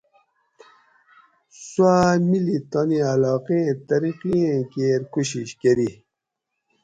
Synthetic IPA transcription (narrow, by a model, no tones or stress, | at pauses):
swamilit̪anialɑːqẽẽt̪ɐɾiqiẽkeɾkuɕiɕkeɾi